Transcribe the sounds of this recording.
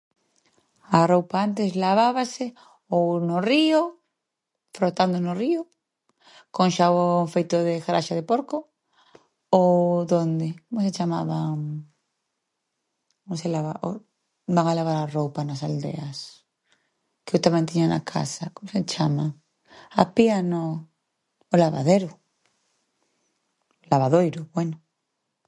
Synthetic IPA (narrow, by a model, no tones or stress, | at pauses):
arowpaant̪eslaβ̞aβase | ownorio | fɾot̪and̪onorio | koŋʃaβoŋfejt̪oðexaɾaʃaðepoɾko | oðond̪ekomoset͡ʃamaβaŋ | komoselaβaʔo̰ | baŋalaβ̞aɾarowpanasald̪ḛas | keowt̪amẽnt̪iɲana̰kʰa̰sakomoset͡ʃama | apianoː | laβa̰ðeɾo | laβaðojɾoβweno